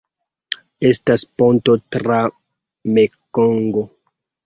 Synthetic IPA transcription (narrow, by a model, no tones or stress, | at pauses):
e̞stasponto̞tɾa | mekoŋɡo